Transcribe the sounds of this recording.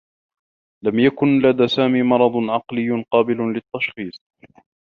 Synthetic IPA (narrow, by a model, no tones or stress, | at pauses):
lamjakʊnlad̪aːsaːmiːmɑɾˤɑd̪ˤʕɑqlɪjːʊqɑːbɪlʊlɪt̪ːɑʃxiːsˤ